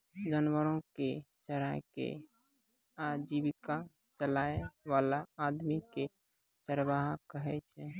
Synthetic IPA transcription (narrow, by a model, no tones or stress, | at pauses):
d͡ʒənwəɾõket͡ʃəɾakḛ | ad͡ʒiwɪka | t͡ʃəlaːeʋaːlaaːd̪mike | t͡ʃəɾbaɦkəɦɛt͡ʃʰɛ